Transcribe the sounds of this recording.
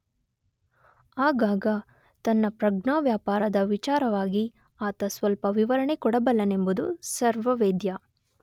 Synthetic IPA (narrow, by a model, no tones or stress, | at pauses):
aːɡaːɡɐ | t̪ɐnːɐpɾɐɡɳaːʋjaːpaːɾɐd̪ɐʋit͡ʃaːɾɐʋaːɡi | aːt̪ɐsʋɐlpɐʋiʋɐɾɐɳekɔɽɐbɐlːɐnembud̪usɐɾʋɐʋeːd̪ja